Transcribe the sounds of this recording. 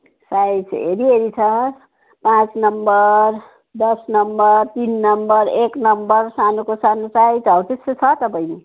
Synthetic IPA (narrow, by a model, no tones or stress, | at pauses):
sajt͡sʰɦḛɾiɦeɾit͡sʰʌ | pãt͡snʌmbʌr | d̪ʌsnʌmbʌrt̪inːʌmbʌɾeknʌmbʌrsanokosanosajt͡sʌwt̪est͡sʰʌt̪ʌpaj̃e